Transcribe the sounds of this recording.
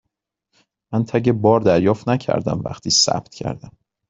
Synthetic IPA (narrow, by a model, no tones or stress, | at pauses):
mænt̪ʰæɟebɒːɾd̪æɾjɒːft̪næcʰæ̰ɾd̪æ̰mvæ̰xt̪ʰiːsæ̰b̚t̪̚cʰæ̰ɾd̪æm